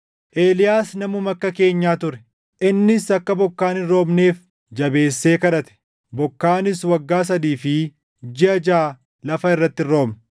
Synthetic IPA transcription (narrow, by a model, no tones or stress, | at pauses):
ʔeːlɪjaːsnɐmʊmɐkːɐke̞ːɲːaːt̪ʊɾɛ | ʔɪnːɪsɐkːɐbɔkːaːnɪɾo̞ːmne̞ːf | d͡ʒɐbe̞ːsːe̞ːkɐɾɐt̪ɛ̥ | bɔkːaːnɪswɐɡːaːs̬ɐd̪iːfɪ | d͡ʒɪɐd͡ʒaː | lɐfɐɪrːɐt̪ːɪrːo̞ːmnɐ